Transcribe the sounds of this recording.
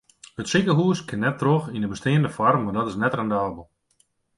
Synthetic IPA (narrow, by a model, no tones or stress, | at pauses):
ətsikəɦuəskʰɪnːɛtːroxindəbəstɪːəndəfɔrmmːardɔtɪsnɛtrɛndaːbəlˠ